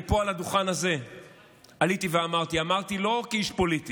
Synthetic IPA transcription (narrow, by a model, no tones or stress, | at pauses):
poalad̪uχanaze̞ | alit̪iveamaʁt̪iamaʁt̪ilo̞kiiʃpo̞lit̪i